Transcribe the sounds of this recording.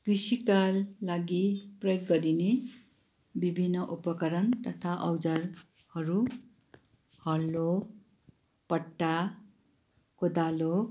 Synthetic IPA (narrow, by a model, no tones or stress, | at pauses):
kisikalːaɡiprʌjoɡːʌɾine | bibʱinːʌʔupʌkʌɾʌnt̪ʌt̪ʰaʔʌwd͡zar | hʌɾu | hʌlːo | pʌʈːa | kod̪alo